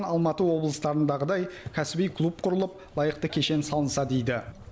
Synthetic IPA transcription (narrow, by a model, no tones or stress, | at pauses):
nɑlˠmɑt̪əwo̞blˠəst̪ɑɾənd̪ɑʁəd̪ɑjkʲʰæsɪbijkʰlˠup̚qʰʊɾəlˠəp̚ | lˠɑjəq̚t̪əkʲʰe̞ʃe̞nsɑlˠənsɑd̪e̞jd̪ɪ